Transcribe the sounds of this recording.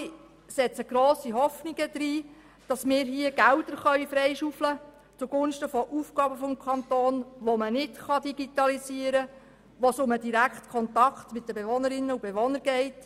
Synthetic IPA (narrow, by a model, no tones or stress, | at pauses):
sɛt͡səɡ̥ɾoːsiɦɔfniɡ̥əd̥̪ɾiː | d̥ɑsmɪːɾɦiəɡ̥ældəɾχœʏfɾɛɪʃuːflə | t͡suɡʊnʃtəfɔʔuːfɡɑːbəfɔmkʰɑnt̪oːnʋomənɪtχɑdiɡ̥itɑlisiəɾə | ʋosʊmədiɾækχtkʰɔntɑktmɪt̚dəbeʋonəɾɪnːəub̥eʋonəɾɡ̥ɛɪt